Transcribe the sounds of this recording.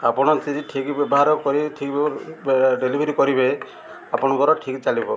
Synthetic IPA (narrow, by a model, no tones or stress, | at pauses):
apɔnɔt͡ʃiziʈʰikbɛbɔɦaɾɔkɔɾiʈʰikb | ɖelibʱeɾikɔɾibe | apɔnɔɡɔɾɔʈʰikt͡ʃalibɔ